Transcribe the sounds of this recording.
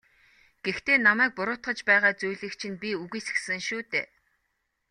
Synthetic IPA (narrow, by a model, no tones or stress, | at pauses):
ɡ̥ext̪eːnamæːk̚pʊɾʊːt̪χə̆t͡ɕpæːʁaːt͡sujɮɘ̆kt͡ɕʰĭnpʲiuɣiːs̆sɘ̆ŋʃuːt̪eː